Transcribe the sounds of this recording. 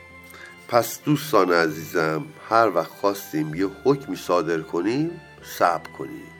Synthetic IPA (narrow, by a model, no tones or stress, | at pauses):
pʰæsd̪̥uːst̪ɒːneæziːzæmhæɾvæxt̪xɒːst̪iːmjehocʰmiːsɒːd̪e̞ɾkʰo̞niːm | sæb̥kʰo̞̰nḭːm̥